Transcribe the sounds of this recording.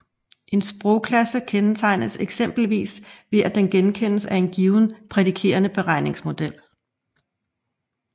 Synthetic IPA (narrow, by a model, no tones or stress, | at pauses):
ʔe̝nsb̥ʁɔʊkʰlæsəkʰent͡sʰɑ̈ɪnseɡ̥sem̰b̥l̩ʋḭːsʋe̝ʔæd̥enɡ̥enkʰen̰əsæe̝nɡ̥iːʊn̩pʰʁɛdikʰe̝̰ːɐnəb̥e̝ʁɑ̈ɪ̰ne̝ŋsmo̝d̥el̰